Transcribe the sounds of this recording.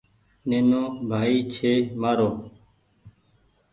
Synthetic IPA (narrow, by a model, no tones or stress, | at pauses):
neːnõːbʱaːiːt͡ʃʰeːmaːɾoː